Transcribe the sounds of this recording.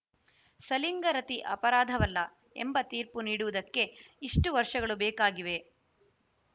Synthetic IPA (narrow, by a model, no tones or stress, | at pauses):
sɐliŋɡɐɾɐt̪iʔɐ̰pɐɾaːd̪ʱɐʋɐlːɐ | ḛmbɐt̪iːɾpuniːɽuʋud̪ɐkːe̞iʂʈuʋɐɾʂɐɡɐɭubɛːkaːɡiʋe̞